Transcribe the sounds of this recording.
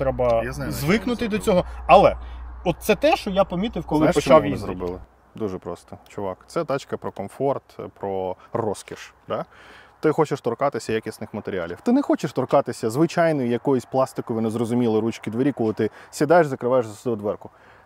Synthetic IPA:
t̪ɾɛbɐjaznazzʋɪknʊt̪ɪd̪ɔt͡sʲɔɦɔɐlˠɛɔt̪̚t̪sɛt̪ɛʃt͡ʃɔjapɐmʲit̪ɪwkɔlˠɪt͡ʃaizɾɔbɪ̰lˠɪ | d̪uʒɛpɾɔst̪ɔt͡ʃʊʋɑkt̪sɛd̪ɑt͡ʃkɐpɾɔkɔmfɔrt̪pɾɔrɔskʲiʃd̪̥ɑt̪ɪxɔt͡ʃɪʃt̪ɔrkɑt̪ɪsʲɐjakʲisnɪxmɐt̪eɾʲiɑ̰lʲiwt̪ɪnɛxɔt͡ʃɪʃt̪ɔrkɑt̪ɪsʲɐzʋɪt͡ʃɑjnɔjʊjɐkɔjʊsʲplˠɑst̪ɪkɔʋɪnɪzrɔzʊmʲilˠɪɾut͡ʃkʲid̪ʋeɾʲikɔlˠɪt̪ɪsʲid̪ɑjeʐzɐkɾɪʋɑjeʒzɐsd̪ʊd̪ʋɛrkʊ

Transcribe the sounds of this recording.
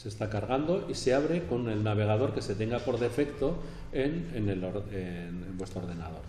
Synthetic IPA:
se̞st̪akaɾɣ̞and̪o̞ʔise̞aβ̞ɾe̞ko̞ne̞lnaβ̞e̞ɣ̞að̞o̞ɾke̞se̞t̪e̞ŋɡapo̞ɾðe̞fe̞kt̪o̞ | eneneloɾe | nembwet̪ɾoɾð̞e̞nað̞o̞ɾ

